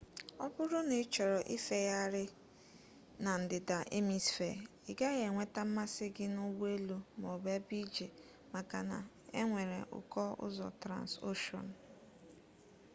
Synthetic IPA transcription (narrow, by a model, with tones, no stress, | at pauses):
ɔ˦bʊ˦ɾʊ˦nɪ˨˦t͡ʃɔ˨ɾɔ˨ʔi˦fe˦ja˦ɾɪ˦ | na˨n̩˨dɪ˨da˨ʔe˦mi˨sfḛ˨ | ɪ˨ɡa˦ɣe˨ŋʷe˦ta˦m̩˦ma˦sɪ˦ɡɪ˦nʊ˦we˦lu˦m˨o˨be˦bi˦d͡ʒe˨ | ma˨ka˨na̰˨ | e˦ŋʷe˨ɾḛ˨ʔʊ̰˨kɔ˦ʊ̰˦zɔ̰˨tɾa̰˨nso˦ʃɔ̰˨n̩˨